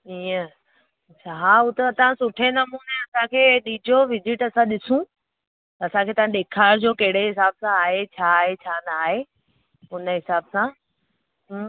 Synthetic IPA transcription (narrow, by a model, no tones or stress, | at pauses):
iːə | ɐt͡ɕʰaɦaːʊt̪et̪ɐʋ̤ãsʊʈʰenɐmuːneɐsãkʰeːɗiːd͡ʑʱoʋɪd͡ʑɪʈɐsãɗɪsũ | ɐsãkʰeːt̪ɐʋãɗeːkʰaːɾd͡ʑoːkɐɦɪɽeɦɪsaːbsãːɦet͡ɕʰaːɦet͡ɕʰaːnaːɦe | ʊnəɦɪsaːbsã | ɦ